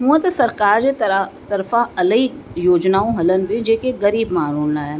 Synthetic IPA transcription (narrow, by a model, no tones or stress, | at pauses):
ɦũãt̪ɐsɐɾkaːɾd͡ʒet̪t̪ɐɾfãɐləijoːd͡ʒnaːõɦɐlənbẽd͡ʒeːkeɡɐɾiːbmaːɾoːnnaːa